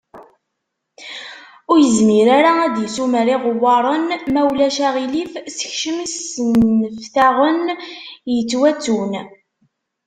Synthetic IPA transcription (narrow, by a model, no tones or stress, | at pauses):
ʊɾjəzmiɾaɾaæd̪jəsuməɾiʁəwːɑɾˤənmæwlæʃæʁilifsə̥çʃəmisənfθæʁənjət͡sːwæt͡sːun